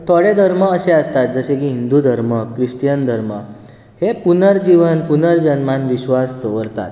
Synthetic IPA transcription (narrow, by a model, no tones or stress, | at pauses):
t̪ʰɔɽed̪ʱəɾməːɕeəst̪at̪̚d͡zəɕẽkiːɦind̪ud̪ʱəɾməkɾiʂʈjənd̪ʱəɾmə | hepunəɾd͡ʑiʋənpunəɾd͡ʑənmanʋiɕʋast̪oʋəɾt̪a̰t̪̚